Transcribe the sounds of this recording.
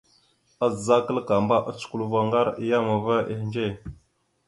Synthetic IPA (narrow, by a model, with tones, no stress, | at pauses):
a˦zza˦kə˦lka˨mba˦ʔa̰˦t͡su̥˨ku˦lva˦ŋɡa˦ɾi˦ja˦ma˨va˦ʔe˦hnd͡ʒe˦˨